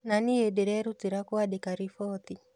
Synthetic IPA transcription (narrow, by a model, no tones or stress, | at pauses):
naniediɾɛɾutiɾakuadikaɾifɔt̪i